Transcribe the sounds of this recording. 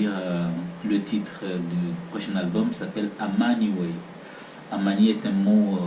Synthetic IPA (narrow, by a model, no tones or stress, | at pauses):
iʁələt̪ʰit̪χəd̪ypχɔʃɛ̃nalbɔmsapɛlamaniwɛj | amaniɛt̪ɛ̃mo